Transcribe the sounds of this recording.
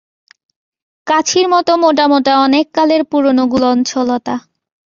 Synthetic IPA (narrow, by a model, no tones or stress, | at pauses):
kat͡ɕʰiɾmɔt̪omoʈ̬amoʈaɔnekːaleɾpuɾonoɡulɔnt͡ɕʰɔlot̪a